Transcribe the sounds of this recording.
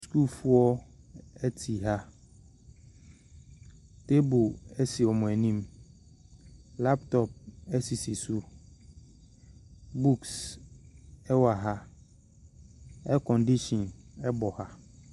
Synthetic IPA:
sku˦lfu˦ɔ˦ | ɛ˦tʰi˨ɦa˦ | te˦bʊ˨ɛ˦si˨ɔ˨mʊ̃˨ɛ˨nĩ˦m | la˦ptʰɔ˨p̚ɛ˦si˨si˨su˦ | bu˦ks | ɛ˦wa˨ɦa˦ | ɛ˦kʰɔ̃˨ndi˦ʃɔ̃˨nɛ˦bɔ˨ha˦

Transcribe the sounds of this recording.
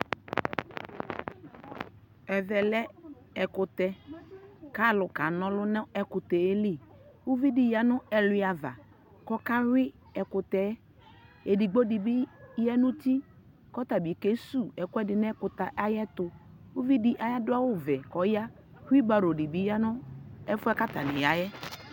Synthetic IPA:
ɛ˨vɛ˨lɛ˦ | ɛ˨kʊ˨t̪ɛ˦ | ka˦˨lʊ˨ka˨nɔ̃˦lʊ˦nɛ˦ɛ˨kʊ˨t̪ɛ˨e˦li˦˨ | wu˦vi˦dɪ˨ja˨nʊ˦ɛ˨lʊ˨˦˨a˨va̰˨ | kɔ˦ka˦wɪ˦ | ɛ˨kʊ˨t̪ɛ˨˦ | e˨di˨ɡ͡bo˦di˨bi˦jɛ˦nʊ̃˦ti˦ | kɔ˦t̪a˨bi˨ke˦su˦˨ɛ˨kʊ˦ɛ˦dɪ˨nɛ˦kʊ˨t̪a˨ʔa˦jɛ˦t̪ʊ˨ | u˦vi˦dɪ˦ʔa˨ja˦dʊ˦a˦wʊ˦vɛ˨kɔ˨˦ja˦ | hi˦ba˨ɾo˨di˨bi˦ja˦nʊ˦ɛ˦fʊ˦ɛ˦ka˦t̪a˨nɪ̃˨ja˨˦jɛ˦

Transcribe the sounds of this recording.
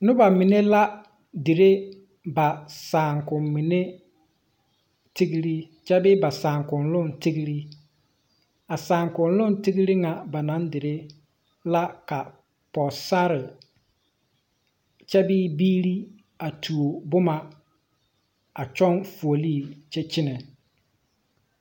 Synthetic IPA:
nʊ˦ba˨mɪ˨ne˦la˦ | dɪ˨ɾe˦ | ba˨saː˨ŋkʊ˨mmɪ˨ne˦ | ti˦ɡi˦ɾi˦ | t͡ʃɛ˦bɪː˦ba˨saː˨ŋkʊ˨nlʊ˦˨nti˦ɡi˦ɾi˦ | a˨saː˨ŋkʊ˨nlʊ˦nti˦ɡi˦ɾi˦ŋa˨ba˨na˦ndɪ˨ɾe˦ | la˦ka˨ | pɔ˨sa˦ɾɪ˨ | t͡ʃɛ˦biː˦biː˦ɾi˦ | a˨tʰu˨o˨bʊ˦ma˨ | a˨t͡ʃɔ˦nfu˨o˨liː˦˨t͡ʃɛ˦t͡ʃɪ˦nɛ˨

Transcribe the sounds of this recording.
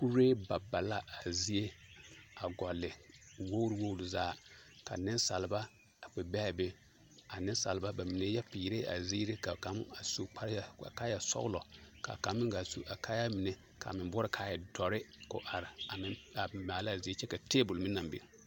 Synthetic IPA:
ku˦ɾeː˦ba˨ba˨la˦a˨zi˦e˦a˨ɡɔ˨lːɪ˨wo˦ɾi˦wo˦wɾi˨zaː˦ka̰˨nɪ˦n˦sa˨lba˦ | a˨k͡pɛ˨bɛː˦˨be˦ | a˨nɪ˦n˦sa̰˨lba˦ba˨mi˨ne˦ja˦piː˨ɾe˦a̰˨ziː˦ɾe˦ka˨ka˨˦m˦a˨su˦a˦a̰˨ka˦ja˨sɔ̰˦lɔ˨ka̰˨ka˨˦mːɪ˦ɡa˨su˦a˨ka˦ja˦mi˨ne˦ | ka̰˨mɪ˨bʊ˦ɾɪ˦kʰa˨˦jɛ˨dɔ˨ɾɪ˦kʊ̰˨ʔa˨ɾɪ˨a˨mɪ˦a˨maː˨la˦a˨zi˦e˦t͡ʃɛ˦ka˨teː˦bʊ˨lmɪ˦na˨mbḛ˨˦

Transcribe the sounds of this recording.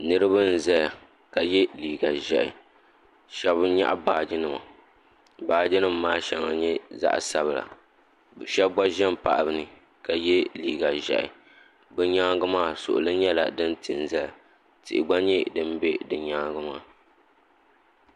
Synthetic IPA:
nɨ˦ɾɨ˦bɨ˦n̩˨zɛ˦l | ka˨jɛ˦liː˨ɡa˨ʒɛ˨ʔɪ̰˨ | ʃɛ˦bɨ˦ɲa̰˦ʔa˦baː˨d͡ʒɪ˦nɨ˨ma̰˨ | baː˨d͡ʒɪ˦nɨ˦˨mːaː˦ʃɛ˨ŋa̰˨ɲɛ˦za̰˦ʔsa˦βɨ˨la̰˨ | bʃɛ˦ba˦ʒɛ˦mpa̰˨ʔa˨bɨ˨nɨ˨ | ka˨jɛ˦liː˨ɡa˨ʒɛ̰˨ʔɪ̰˨ | bɨ˦ɲa˦ɡɨ˦maː˦˨sʊ̰˨ʔʊ̰˨lɨ˦ɲɛ˦la̰˨dɨ˦ntɨ˨n˨zɛ˦l | tɨ˨ʔɪ˨ɡ͡ba˦ɲɛ˦dɨ˦m˦be˦dɨ˨ɲa˦ɡɨ˦maː˦˨

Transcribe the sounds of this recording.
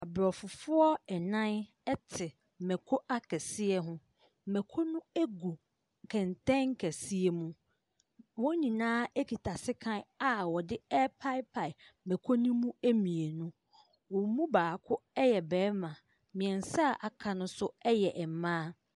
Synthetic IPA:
a˨bɾɔ˨fʊ˨fʊ˦ɔ˦ɛ˨nã˦n | ɛ˦tʰɪ˨ | mɛ̃˨kʰo˦ʔa˦kʰɛ˨sɪ˦ɛ˦ɦʊ̃˦˨ | mɛ˨kʰo˦nũ˦e˦ɡu˨ | kʰɛ̃˨n˨tɛ̃˦ŋ̩˦kʰɛ˨si˦e˨mũ˦ | wɔ̃˦ɲĩ˨nãː˦ɛ˦kʰi˨tʰa˨sɪ˦kʰã˦na˨wɔ˨dɪ˦ɛ˦pʰa˦ɪ˦pʰa˨ɪ˨mɛ̃˨kʰo˦nũ˦mũ˦e˦mĩ˨e˨nũ˦ | wɔ̃˨˦mũ˦baː˨kʰʊ˦ɛ˦jɛ˨bɛː˨˦mã˨ | mĩ˨ɛ̃˨n˨sa˦˨ʔa˨kʰã˨nʊ̃˦sʊ˦ɛ˦jɛ˨ʔɛ˨m˨mãː˦

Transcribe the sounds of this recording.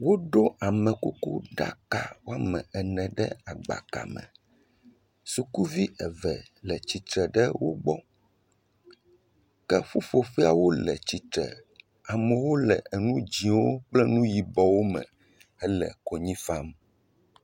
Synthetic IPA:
wo˦ɖo˦ʔa˨mɛ̃˨ku˦kṵ˦ɖa̰˦ka˨wo˦a˦mɛ̰̃˨ɛ˨nɛ̃˨ɖɛ˦a˨ɡ͡ba̰˨ka̰˨mɛ̰̃˨ | su˨ku˦vi˦ʔɛ˨vɛ˨ | lɛ˨t͡ɕi˨t̪ɾɛ˨ɖɛ˦wo˦ɡ͡bɔ˦ | kɛ˦ɸu˦fo˨ɸi˦a˨wo˦lɛ̰˨t͡ɕi˨t̪ɾɛ̰˨ | a˨mɛ̃˨wo˦lɛ˨ɛ˨nũ˦d͡ʑĩ˨wo˦k͡plɛ˦nũ˦ji˨bɔ˨wo˦mɛ̰̃˨ | ɛ˦lɛ̰˨ko˨ɲĩ˦fa˦m

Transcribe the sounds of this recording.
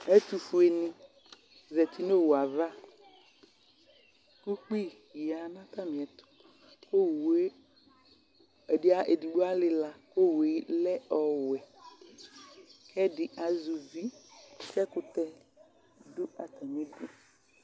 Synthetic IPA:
ɛ˦t̪u˨fu˨e˨nɪ̃˦ | zɛ˨t̪ʰi˦no˦˨wo˨a˨va˦ | ku˦k͡pi˦ | ja˨nã˦t̪a˦mĩ˨ɛ˨t̪ʊ̥˨ | ko˦˨we˦ | ɛ˨dɪ˦a˨ʔe˨di˨ɖu˦a˦lɪ˦la˨ko˦we˨˦lɛ˦ɔ˨wɛ˨ | kʰɛ˦dɪ˨ʔa˨zu˨vi˦sɛ˦kʊ˦t̪ɛ˦ | dʊ˦a˨t̪a˨mĩ˦du˦

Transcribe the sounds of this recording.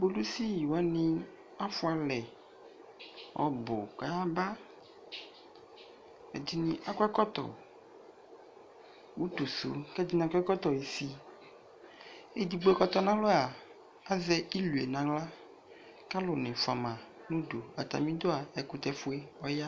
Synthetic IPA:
bo˦lu˦si˦ji˨wa˦nĩ˦ | a˦fʊ˦a˨lɛ˨ | wʔɔ̰˨bo˨ka˨˦a˦ba˦ | ɛ̰˨di˦nĩ˨ʔa˦kʷɛ˦kɔ˦t̪ɔ̰˨ | wu˦t̪o˨so̰˨kɛ˦di˦nã˨kʷɛ˦kɔ˦t̪ɔ˨e˨si˦ | e˦di˨ɡ͡bo˦ɛ˦kɔ˦t̪ɔ˦nã˦lɔ˦a˨ | a˦zɛ˦ʔi˦lu˨e˨nã˨la˦ | ka˦lʊ˨nɪ̃˨fa˨mã˨ | nũ˦do˨a˨t̪a̰˨mĩ˦d̪o˦a˨ɛ˨ku˦t̪ɛ˦fu˦e˦wɔ˦ja˦

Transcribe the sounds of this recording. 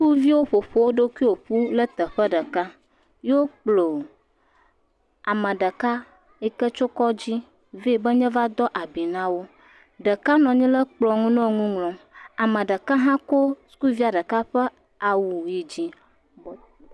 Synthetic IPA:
ku˦vi˦wo˦ɸo˨ɸo˦wo˦ɖo˦ki˦wo˨ɸu˦lə˦t̪ə˨ɸə˦ɖə˨ka˦ | jo˦k͡plo˨ | a˨mə̃˨ɖə˨ka˦ | e˦kə˦t͡ʃo˦kɔ˦d͡ʑi˦ | ve˦˨bə˦ɲɛ̃˦va˦d̪ɔ˦ʔa˨bi˨nã˦wo˦ | ɖə˨ka˦nɔ̃˨ɲĩ˦lə˦k͡plɔ˨ŋũ˦nɔ̃˦ŋũ˦ŋlɔ̃˨a˨mə̃˨ɖə˨ka˦ɦã˦ko˦sku˦vi˦a˨ɖə˨ka˦ɸə˦ | a˨wu˨ji˨d͡ʑi˦

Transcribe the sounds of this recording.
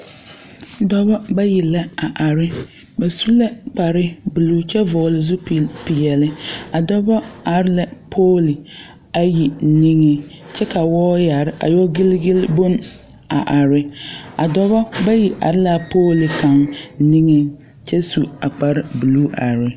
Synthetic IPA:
dɔ˦bɔ˦ba˦ji˨la˦a˨ʔa˨ɾɪ˦ | ba˨su˦la˦k͡pa˨ɾɪ˦bu˨luː˦t͡ʃɛ˦vʊ˨lɪ˨zʊ˦pi˨jɛ˨lɪ˦a˨dɔ˦bɔ˦a˨ɾɪ˦la˨pʰoː˦li˨ | a˨ji˨ni˦ŋe˦ | t͡ʃɛ˦ka˨wɔː˦ja˨ɾɪ˦ʔa̰˨jɔ˦ɡɪ˦lɡɪ˦lbo˦m | a̰˨ʔa˨ɾɪ˦a˨dɔ˦bɔ˦ba˦ji˨ʔa̰˨ɾɪ˦la˨poː˦lɪ˨ka˨ŋ˦ni˦ŋe˦ | t͡ʃɛ˦su˨a˨k͡pa˨ɾɪ˦bu˨luː˦ʔa̰˨ɾɪ˦

